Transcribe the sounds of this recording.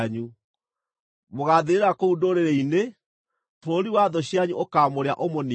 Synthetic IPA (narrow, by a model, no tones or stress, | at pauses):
ɲu | moɣaːðeɾeɾakoudoːɾeɾeine | tɾoɾiwaðɔɕjaɲuʔokaːmoɾeaʔomoni